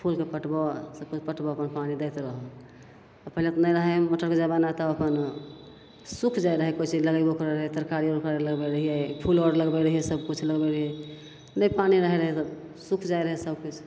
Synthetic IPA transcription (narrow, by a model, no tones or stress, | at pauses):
pʰulkepəʈbɔsəb̚kut͡ʃʰpəʈbɔəpənpanid̪əɪt̪ɾəɦɔ | pəɦilet̪ɔnəjɾəɦɛɔʈʰəɾked͡ʒabanat̪ɔəpən | sukʰd͡ʒajɾəɦɛkojt͡ʃʰiləɡəjbokɾɾəɦɛt̪əɾkaɾioɾkəɾləɡbɛɾəɦijɛpʰulɔɽɾləɡbeɾəɦijɛsəb̚kut͡ʃʰləɡbeɾəɦijɛ | nəjpaniɾəɦɛɾəɦɛsəb | sukʰd͡ʒajɾəɦɛsəbkut͡ʃʰ